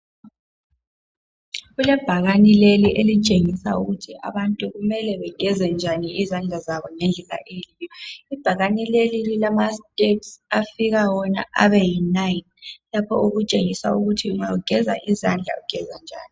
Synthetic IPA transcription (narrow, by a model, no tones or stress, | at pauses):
ɣulɛb̥ʱaɣanileliʔelit͡ʃʼeŋisauɣutʰiʔa̰βantʼuɣumɛlɛβɛɡ̥ʱɛzɛnd͡ʒʱaniizand͡ɮʱazaβɔnend͡ɮʱɛla̰ʔeliːjɔib̥ʱaɣanilelililamastʼepsafiɣawɔna̰ʔa̰βɛjinajnlapʰɔ̰uɣut͡ʃʼeŋisa̰uɣutʰiuŋauɡ̥ʱɛza̰ʔizand͡ɮʱa̰uɡ̥ʱɛzand͡ʒʱa̰ːni